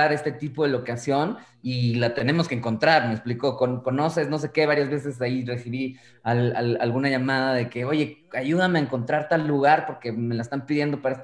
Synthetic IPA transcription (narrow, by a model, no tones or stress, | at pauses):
aɾe̞st̪e̞t̪ipo̞ðe̞lo̞kasjo̞n | ilat̪ene̞moskeŋko̞nt̪ɾaɾmeksplikokonko̞no̞se̞zno̞s̬e̞ke̞βaɾjazβe̞s̬e̞s̬aire̞fiɾi | ala̰la̰lɣunaʝamaðaðe̞ke̞o̞ʝe̞aʝuð̞ameaeŋko̞nt̪ɾaɾt̪alːuɣaɾpo̞ɾke̞me̞laest̪ampiðje̞nd̪o̞paɾae